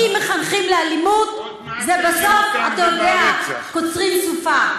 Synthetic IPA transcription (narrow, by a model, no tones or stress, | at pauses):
imeχanχimlealimut̪ | zebaso̞fat̪ajodeakot͡sʁimsufa